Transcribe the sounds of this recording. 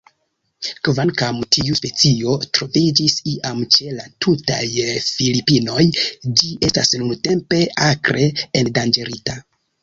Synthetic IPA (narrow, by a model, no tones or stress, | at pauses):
kvankamtʰiuspe̞t͡sio̞tɾo̞vid͡ʒisiʔamt͡ʃe̞latʰuta̰jfilipino̞jd͡ʒiʔe̞stasnunte̞mpe̞akɾe̞endand͡ʒeɾita